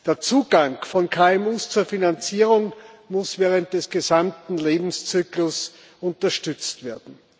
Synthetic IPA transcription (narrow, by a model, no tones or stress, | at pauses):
d̥eːɐt͡suːɡ̥aŋfɔnkʰaːɛmuːst͡suɐfinant͡siːʁʊŋmʊsv̥ɛːʁənt̚d̥ɛsɡ̥ezamtn̩leːbm̩st͡syːklʊs | ʔʊntɐʃtʏt͡stv̥eːɐdn̩